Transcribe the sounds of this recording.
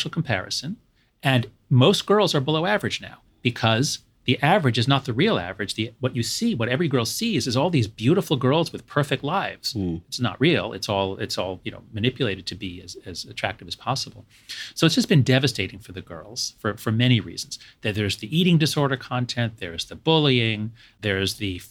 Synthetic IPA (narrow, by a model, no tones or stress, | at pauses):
ʃl̩ˠkʰm̩pʰɛ̰ɹɨsɨ̃n | ɨ̃n | moʊst̚ɡ̥ɜ˞lˠzə˞bəloʊævə˞ɨd͡ʒna̰ʊ | b̥ɨkʰʌz | ðiʔævə˞ɨd͡ʒɨznət̪̚ðɨɹilˠæ̰və˞ɨd͡ʒðiwʌt͡ʃɨsiwʌɾɛvɹiɡɜ˞lˠsizɨzɔlˠðizbjʉɾəfl̩ˠɡɜ˞lˠzwɨð̥pʰɜ˞fɪk̚tˡlaɪvz̥ɨtsnə̰ʔɹilˠɪ̰tsɔlˠɪtsɔlˠjɨno̰ʊmɨnɪpjɨleɪɾɨd̚tʰɨbiɨzɨzɨtʰɹ̥æ̰k̚tɨvɨz̥pʰɑsəbl̩ˠ | soʊɨtsd̥ʒ̥ʌsb̥ɨ̃ndɛvɨsteɪɾɪ̃ŋfə˞ðɨɡɜ̰˞lˠz̥fə˞fə˞mɛɾ̃iɹḭzn̩z̥ðɨt̪̚ðə˞zðiʔiɾɪ̃ŋdɨsɔɹɾə˞kʰɑ̃ntʰɛ̃nðə˞zðɨbʊlˠiɪ̃ŋ | ðə˞zðɨ